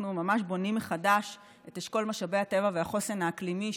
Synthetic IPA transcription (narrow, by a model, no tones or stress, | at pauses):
numamaʃbo̞nimːeχadaʃ | eteʃko̞lmaʃabejhate̞vaveaχosenaːklimi